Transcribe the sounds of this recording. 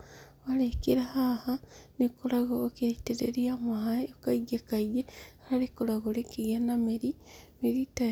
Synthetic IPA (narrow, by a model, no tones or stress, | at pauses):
walekiɾahahanikulaɣoːketeɾḛɾiamaɦaokaiɡekaiɡehalikulaɣolekiɣenamiɾimiɾita